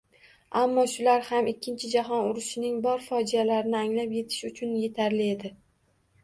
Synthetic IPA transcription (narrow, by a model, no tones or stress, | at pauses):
amːɒʃʊlaɾhamɪkʲʰːɪnt͡ʃʰɪd͡ʒaɦɒnʊɾɪʃɪnɪŋbɒɾfɒd͡ʒijalaɾɪnɪaŋlapje̞t̪ʰɪ̥ʃʊt͡ʃʰʊnje̞t̪ʰaɾlɪe̞d̪ɪ